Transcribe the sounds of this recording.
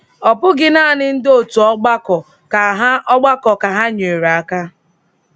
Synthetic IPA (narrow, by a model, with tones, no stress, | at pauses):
ɔ˨pʊ˦ɡɪ˦na˦˨nɪ˦n̩˦do˦˨tu˨ɔ˦ɡ͡ba˦kɔ˨ | ka˨ɦa˦ʔɔ˦ɡ͡ba˦kɔ˨ka˨ɦa˦ɲe˨ɾa˦ka˦